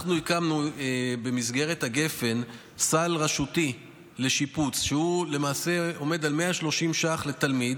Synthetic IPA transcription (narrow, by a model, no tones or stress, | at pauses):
aχnuikamnuebe̞mizɡe̞ʁet̪haɡe̞fe̞n | salʁaʃut̪i | le̞ʃiput͡sʃeule̞maːse̞o̞me̞d̪alme̞aʃlo̞ʃimʃaχle̞t̪almid̪